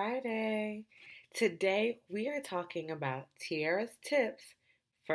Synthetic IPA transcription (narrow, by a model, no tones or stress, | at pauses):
aɪɾeɪtʰɨdeɪwiə˞tʰɔkɪ̃ŋɨbaʊtʰiɛɹɨstʰɪps | fə